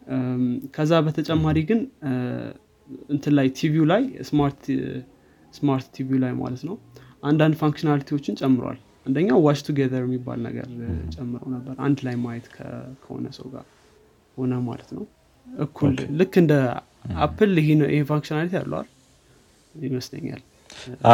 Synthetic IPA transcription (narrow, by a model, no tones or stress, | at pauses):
kʰəzːabət̪ʰət͡ʃʼɛmːaɾiɡɨn | ɨnt̪ʰɨlajt̪ʰivijulajsmaɾt̪ | smaɾt̪ːivjulajma̰lət̪nəwʔand̪and̪faŋkʃnalit̪ʰiwo̞t͡ʃːɪnt͡ʃʼɛmːɨɾwa̰l | ʔand̪əɲːawwat͡ʃt̪ʰuɡeðəɾjɛmːibːa̰lnə̰ɡə̰ɾt͡ʃʼɛmːɨɾə̰wnəbːəɾʔa̰nd̪lajmajɛt̪kʰə̰kʰəho̞̰nəsə̰wɡa̰ | ho̞nəma̰lət̪nəw | ʔɨkʰːulːɨkːɨnd̪ə | apʰːɨlɪɦenʔḭhefaŋkʃinalit̪ija̰lːə̰wa̰l | ɪməslə̰ɲːa̰l